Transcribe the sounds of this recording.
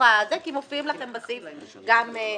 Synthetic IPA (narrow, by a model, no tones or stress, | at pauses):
azekimofimlaχe̞mbasif | ɡam